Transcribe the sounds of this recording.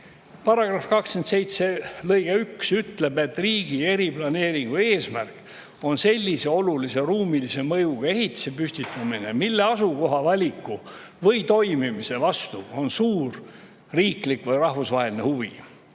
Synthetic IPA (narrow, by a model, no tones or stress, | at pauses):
pɑrɑɡ̥rɑfkɑkskent̪se̞jt̪se̞lɤjɡ̥eyksyt̪le̞be̞t̪ːˑriːɡ̥ie̞ɾib̥lɑne̞ːɾiŋɡ̥ue̞ːsmærk | o̞nse̞lʲːise̞o̞lulise̞ruːmilise̞mɤjuɡ̥ɑe̞ɦhit̪ːi̥se̞pysʲt̪it̪ːˑɑmine̞milːe̞ɑsuko̞ɦɑvɑlʲikːˑu | vɤjt̪o̞jmimise̞vɑst̪uo̞nsuːr | riːklikvɤjrɑhfusvɑɦeline̞̰huvi